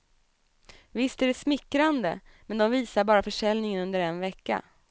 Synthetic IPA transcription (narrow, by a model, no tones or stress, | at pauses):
vɪst̪æɖɛsmɪkːɾand̪ə̰ | mɛnd̪ɔmviːsaɾbɑːɾafœʂɛlnɪŋənɵnd̪əɾɛnvɛkːa̰